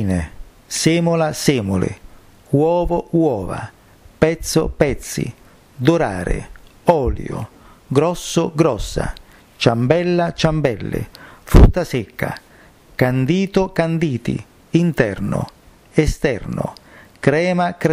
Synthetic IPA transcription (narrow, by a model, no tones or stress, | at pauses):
ne | seːmʊlasɛːmʊlḛ | wɔːvowɔːva̰ | pɛt̪sːo̰pɛt̪sːḭ | d̪oɾaːɾɪ̰ɔːljo̰ | ɡɾɔsːoɡɾɔsːa̰ | t͡ʃambɛlːat͡ʃambɛlːɪ̰fɾut̪ːasekːa̰ | kand̪iːt̪okand̪iːt̪ḭ | int̪ɛrno̰ | ɛst̪ɛ̰rnʊ̰kɾɛːmakɾ